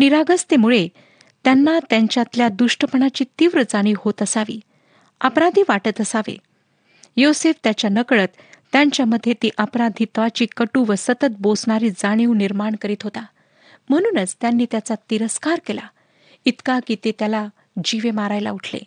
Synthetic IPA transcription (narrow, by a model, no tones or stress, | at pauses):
niɾaɡəst̪emuɭe | t̪janːat̪jaɲt͡ɕjat̪ljad̪uʂʈəpəɳat͡ɕiːt̪iʋɾəd͡zaɽ̃iːhot̪əsaʋḭː | ə̰pɾad̪ʱiːʋaʈət̪əsaʋḛ | joseft̪jat͡ɕjanəkɭət̪ːjaɲt͡ɕjaməd̪ʱːjet̪iːʔəpɾad̪ʱiːt̪ʋat͡ɕiːkəʈuːʋəsət̪ət̪̚bosɳaɾiːd͡zaɽ̃iuniɾmaɳkəɾiːt̪ɦot̪a | m̤əɽ̃uːnət͡st̪janːiːt̪jat͡sat̪iɾəskaɾkela | it̪kakiːt̪et̪jala | d͡ʑiʋemaɾajla̰uʈʰlḛ